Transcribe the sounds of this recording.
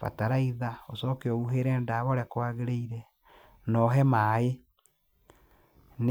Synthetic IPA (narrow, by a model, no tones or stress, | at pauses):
fa̰taɾaiðaosɔːkeɔuɦeɾɛːndaβɔɾɛkwaɣeɾeiɾɛ | nɔɦɛmaːe | n